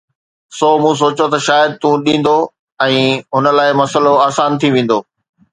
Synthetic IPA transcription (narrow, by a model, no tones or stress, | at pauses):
soːmũːs̬oːt͡ɕot̪ɐʃaːjəd̪̚t̪ũːɗĩːn̆d̪o | ɛ̃ːɦʊnə̆laːɪmɐsəloaːsaːnt̪ʰiʋẽːn̆d̪oː